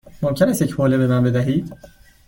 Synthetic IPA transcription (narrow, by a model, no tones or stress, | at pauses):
momcʲʰenæst̪jecʰboːlebemænbe̞d̪æɦiːd̪̥